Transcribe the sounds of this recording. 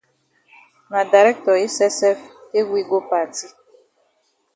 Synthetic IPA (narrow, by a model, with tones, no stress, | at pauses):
na˨da˨ɾɛ˦k̚tɔ˨e˦sɛ˦sɛ˦fe˦ɡʷi˦ɡo˦pa˦˨ti˦